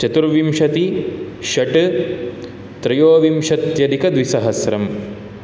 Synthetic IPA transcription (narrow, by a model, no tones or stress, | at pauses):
t͡ʃɐt̪uɾʋimʃɐt̪i | ʃɐʈ | t̪ɾɐjoːʋimʃɐt̪jɐd̪ikɐd̪ʋisɐɦɐsɾɐm